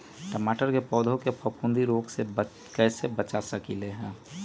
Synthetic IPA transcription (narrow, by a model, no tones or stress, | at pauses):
ʈəmaːʈəɾkepɔːd̪ʱõkepʰəpũnd̪ʱiɾoːɡse | kɛːsebət͡ʃasəkileɦɛ̃ː